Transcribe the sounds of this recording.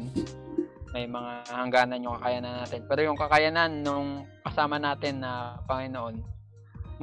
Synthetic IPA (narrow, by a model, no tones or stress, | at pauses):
n | mɐjmɐŋahɐŋɡaːnɐnjʊŋkɐkɐjanɐnːaːt̪ɪnpɛːɾojʊŋkɐkɐjananːʊŋkɐsaːmɐnaːt̪ɪnːɐpɐŋɪno̞ʔo̞n | m